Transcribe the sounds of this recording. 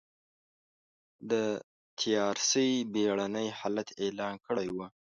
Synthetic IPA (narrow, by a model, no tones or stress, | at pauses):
d̪ə | t̪ʰijɑɾsəjbeɽanəjhɑlat̪elɑːnkəɽajwu